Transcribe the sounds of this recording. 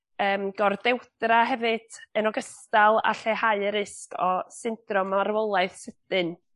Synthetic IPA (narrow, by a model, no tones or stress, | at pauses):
əːmɡɔrdɛwd̥raɦɛvɨd̥ənɔɡəstalˠa̰ɬɛhaɨɾɪskʰɔsɪnd̥rɔmarwɔlˠaɨθsəd̥ɨn